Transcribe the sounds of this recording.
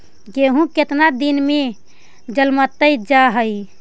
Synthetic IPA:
keɦũket̪nad̪inme | d͡ʒəlmət̪ːəjd͡ʒaɦəj

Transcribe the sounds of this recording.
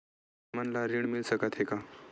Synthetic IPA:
mənlaɾiɳmilsəkat̪ɦeka

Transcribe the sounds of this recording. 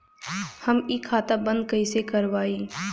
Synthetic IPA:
həmiːkʰːaːt̪abə̃nd̪̚kəisekəɾʋaːiː

